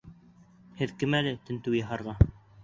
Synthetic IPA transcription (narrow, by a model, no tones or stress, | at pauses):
hɘðkɘmælɘt̪ɘ̆nt̪ɘwjɑɦɑɾʁɑ